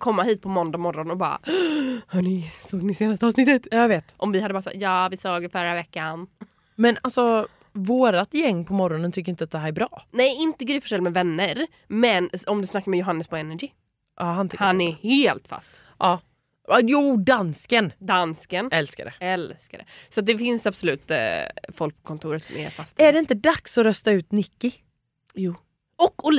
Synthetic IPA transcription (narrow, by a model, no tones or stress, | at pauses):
kʰɔmːaɦiːt̪̚pʰɔmɔnd̪amɔɾːɔnɔbɑ̰ɾa̰ | nʉsoːɡnɪseːnast̪əɑːvsnɪt̪ːət̪jɑːjveːt̪ʔɔmvɪhad̪əbɑɾasa̰jɑːvɪsoːɡd̪ɛfœɾavɛkːan | mɛnalsɔ | voːɾat̪jɛŋːpʰɔmɔɾɔnənt̪ʏkːɾɪnt̪əat̪̚d̪ɛɦæːɾɛɾbɾɑːnɛjɪnt̪əɡəːɾɪfœʂɛlmɛvɛnːəɾ | mɛnɔmd̪ɵsnakːaɾmɛjʊɦanːəspɔɛnæɡɪ | ʔɑːhant̪ʰhanɛɾheːlt̪fa̰st̪ | ʔɑː | juːd̪anskənd̪anskənɛlska̰dɛ̰ɛlskad̪ɛ̰sɔat̪̚d̪ɛfɪnsabsʊlʉ̟ːt̪fɔlk̚pʰɔ̥kʰɔnt̪ʰuːɾət̪sɔmæ̰ɾfast̪æɖɛɪnt̪əd̪aksɔɾœst̪aʉ̟ːt̪nɪkːɪ | juː | ɔkːʊ